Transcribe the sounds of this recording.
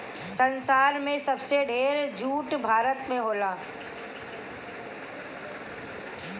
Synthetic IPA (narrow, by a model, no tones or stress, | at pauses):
sɐ̃nsaːɾmẽsɐbseɖʱeːɾd͡ʒuːʈbʱaːɾət̪mẽɦoːlaː